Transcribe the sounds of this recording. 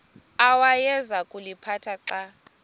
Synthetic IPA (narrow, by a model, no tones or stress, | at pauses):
awajɛzakʼulipʰatʰaǁa